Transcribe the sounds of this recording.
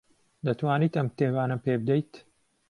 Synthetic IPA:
d̪ɐt̪waːniːt̪ɐmk̚t̪ʰeːwaːnɐpeːbɨd̪ejt̪

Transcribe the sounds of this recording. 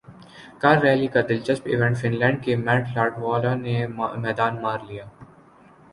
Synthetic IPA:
kaɾːɛːlikad̪ɪlt͡ʃɐsbɪ̰ʋɛ̃ɳʈfɪnlɛ̃ːɳɖ̚kemɛ̃ːʈlaːɾʈʋɔːlanemɛːd̪aːnmaːɾlijaː

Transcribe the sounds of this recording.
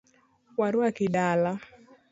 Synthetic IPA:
waɾwakɪdala

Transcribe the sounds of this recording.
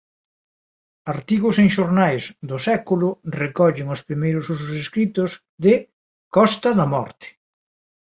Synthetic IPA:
aɾt̪iɣʊseŋʃoɾnajzðʊsɛkulʊrekɔʎɪŋʊspɾimejɾʊsusʊseskɾit̪ʊz | ðɪ | kɔst̪ɐðɐmɔ̰ɾt̪ɪ̥

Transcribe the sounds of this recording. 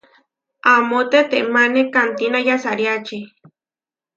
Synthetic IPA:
amot̪et̪eʔmanekant̪inajasaɾjat͡ʃi

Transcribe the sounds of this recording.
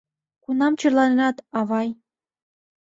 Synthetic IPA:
kunɑmt͡ɕɤ̆rlɑnenɑt̪ɑβɑj

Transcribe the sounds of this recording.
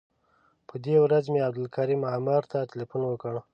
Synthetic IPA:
pʰəd̪ewɾazmeab̚d̪ɪlkʰaɾimamaɾt̪ʰat̪ilifunwəkəɳ

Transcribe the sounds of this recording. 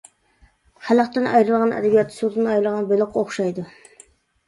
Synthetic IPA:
hæləqt̪ɨnʔɑ̰jɾɨlˠʁɑnʔɛ̰d̪ɛbijɑt̪ʰːɨ̥sud̪ɨnɑjɾlˠʁɑnbølˠɪqːoχʃɑjd̪ɨ

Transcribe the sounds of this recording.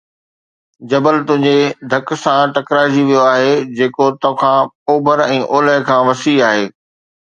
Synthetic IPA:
d͡ʑɐbəlt̪ʊ̃ɦɪ̃ɲd͡ʑed̪ʱɐksãʈɐkɾaːd͡ʑiʋijoaːɦed͡ʑeːkot̪ɐ̃kʰãː | oːbʱəɾɛ̃ːʔoːləɦɪkʰãːʋɐsiaːɦeː

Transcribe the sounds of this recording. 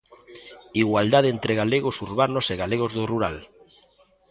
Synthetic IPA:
iɣwald̪aðent̪ɾeɣaleɣosuɾβanoseɣaleɣ̞ozðoruɾa̰l

